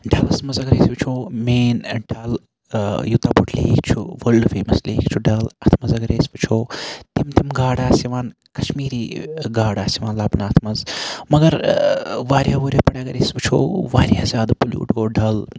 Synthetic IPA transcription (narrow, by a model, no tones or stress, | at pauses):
ɖʱɐlɐsmɐzɐɡɐɾḛːsbɨt͡ʃʰoːmeːnɖʱɐl | jut̪abuʈʰlḛːkʰt͡ʃʰuʋɐlɖfḛːmɐslḛːkʰt͡ʃʰuɖɐlɐt̪ʰmɐzɐɡɐɾeːsʲbɨt͡ʃʰoːt̪imt̪imɡaːɽaːsiʋaːn | kɐ̥ʃmiːɾiːɡaːɽaːsiʋaːnlaːbnaːt̪ʰmɐzmɐɡɐɾ | ʋaːɾjaːʋoːɾʲjapɐɽjaːɡɐɾeːsbɨt͡ʃʰo̰ːʋaːɾʲjaːzʲaːd̪puljṵːʈɡoːɖɐl